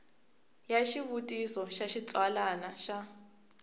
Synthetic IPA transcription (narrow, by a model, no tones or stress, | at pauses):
jaʃiβutʼisɔʃaʃit͡sʼwalanaʃa